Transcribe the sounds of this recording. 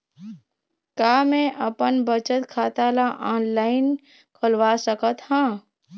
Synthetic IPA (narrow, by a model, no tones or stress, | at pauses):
kaːmẽʔəpənbət͡ʃət̪kʰaːt̪aːlaʔaːnlaːɪn | kʰəlʋaːsəkət̪hãː